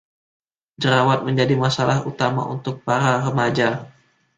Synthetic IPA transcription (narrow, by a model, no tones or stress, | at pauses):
d͡ʒəɾawat̪̚məɲd͡ʒadimasalahut̪ama̰ʔunt̪ʊk̚paɾaɾəmad͡ʒa